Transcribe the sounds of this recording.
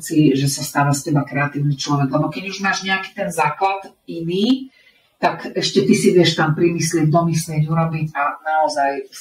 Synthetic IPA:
t͡siʒɛsast̪aːʋascɛbakɾɛat̪iːʊnit͡ʃlɔʋɛɡlɛbɔkɛɟuʒmaːʒɲɛaki̥t̪ɛnzaːklat̪iniː | t̪akɛʃcɛt̪isiʋɪɛʃt̪ampɾimislɪɛɟd̪ɔmislɪɛɟuɾɔbiɟanaɔzaj

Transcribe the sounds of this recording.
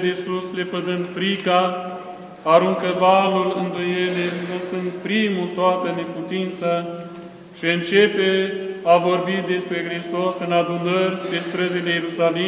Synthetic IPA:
d̪esuslepəd̪ɨnd̪fɾikaː | ɾuŋkəvalulɨnd̪ojelemɨsɨnt̪̚pɾimut̪oat̪əne̞put̪int̪sə | ʃiɨnt͡ʃepeavo̞rbid̪e̞spɾe̞xɾist̪osɨnad̪unərʲd̪est̪ɾəzelejeɾusali

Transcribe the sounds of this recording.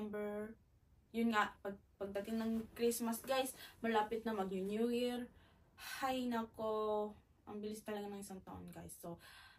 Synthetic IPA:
mbɛɹ | jʊnŋaʔpɐɡ̚pɐɡ̚d̪ɐt̪ɪŋnɐŋkɾismɐsɡajsmɐlaːpɪt̪̚nɐmɐɡɲʊnjuɪɾ | hajnɐko | ʔɐŋbɪlɪst̪ɐlɐɡanɐŋʔɪsaŋt̪ɐʔo̰nɡajsːo

